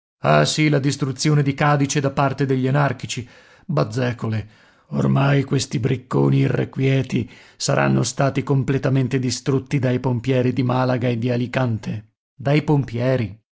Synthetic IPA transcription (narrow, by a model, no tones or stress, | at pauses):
a̰silad̪ist̪ɾut̪sːjoːned̪ikaːd̪it͡ʃed̪apːart̪ed̪eʎːanarkit͡ʃi | bad̪zːɛːkole | o̰rmajkwest̪ibɾikːoːniːrːḛkwjɛːt̪isaɾʔa̰nːost̪aːt̪ikomplet̪ament̪ed̪ist̪ɾut̪ːid̪ajpompjɛːɾid̪imalaɡaed̪ːialikant̪e | d̪ajpompjɛːɾi